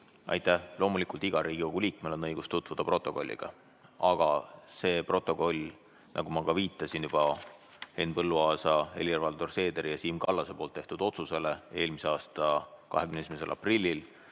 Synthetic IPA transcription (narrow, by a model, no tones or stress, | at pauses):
ɑ̰jt̪ːˑæhlo̞ːmulikˑult̪iɡ̥ɑɾiːɡ̥iko̞ɡ̥uliːkmelo̞nːɤ̞jɡ̥ust̪ut̪ˑvud̪ɑpro̞t̪ːˑo̞ko̞̰lʲːḭɡ̥ɑ̰ | ɑɡ̥ɑse̞ːpro̞t̪ːˑo̞ko̞lʲ | nʔɑ̰ɡumɑkɑviːt̪ːˑɑsinjub̥ɑ | henpɤlːuɑːsɑe̞̰lʲirvɑld̪orse̞ːd̪̥eɾijɑsiːmkɑlːɑse̞po̞ːlt̪ːe̞ht̪ud̪̥o̞t̪suse̞le̞e̞ːlmiseɑːst̪ɑkɑ̰ɦekyneesimese̞̰lʔɑ̰prilʲːil